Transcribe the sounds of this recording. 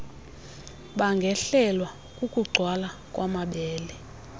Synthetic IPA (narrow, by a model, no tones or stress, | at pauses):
ɓaŋɡʱɛɬɛlwa | kʼukʼuɡ͡ǀʱwalakʼwamaɓɛːlɛ